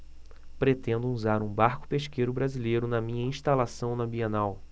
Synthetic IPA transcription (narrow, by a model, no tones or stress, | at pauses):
pɾet̪ẽnd̪ʊuzaɾũbaɾkʊ̥peʃkejɾʊbɾazilejɾʊnɐmĩɲɐĩʃt̪alasɐ̃w̃nɐbiɐ̃naw